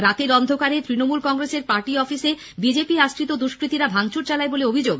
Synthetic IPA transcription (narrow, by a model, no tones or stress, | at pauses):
ɾat̪eɾɔnd̪ʱokaɾet̪ɾinomulkɔŋɾeseɾpaɾʈiɔfise | bid͡ʑepiaʃʈɾit̪od̪uʃkɾit̪iɾabʱaŋt͡ɕuɾt͡ɕalaeboleobʱid͡ʑoɡ